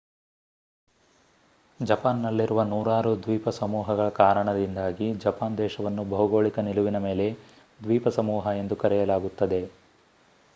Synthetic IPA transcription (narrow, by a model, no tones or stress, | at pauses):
d͡ʒɐpaːnːɐlːiɾuʋɐnuːɾaːɾud̪ʋiːpɐsɐmuːɦɐɡɐɭɐkaːɾɐɳɐd̪ind̪aːɡid͡ʒɐpaːnd̪ɛːʃɐʋɐnːubɐɦuɡoːɭikɐniluʋinɐme̞ːle̞ | d̪ʋiːpɐsɐmuːɦɐe̞nd̪ukɐɾɛjɐlaːɡut̪ːɐd̪e̞